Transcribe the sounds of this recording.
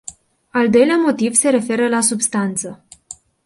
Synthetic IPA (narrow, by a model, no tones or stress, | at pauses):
ald̪o̞jleamo̞t̪ivse̞ɾe̞fe̞ɾəlasubst̪ant̪sə